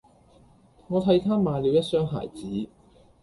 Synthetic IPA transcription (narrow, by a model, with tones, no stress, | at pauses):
ŋɔː˨˧t̪ʰɐ˨˥jt̪ʰaː˥maː˧liː˨˧wjɐ˥t̚sœː˥ŋɦa̰ː˨˩jt͡siː˨˥